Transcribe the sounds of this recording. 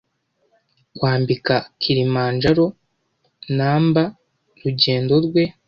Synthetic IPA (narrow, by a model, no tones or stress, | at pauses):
kwaːmbikakʰiɾimaːnd͡ʒaɾo̞ | naːmba | ɾuɟe̞ːndo̞ɾɡwe̞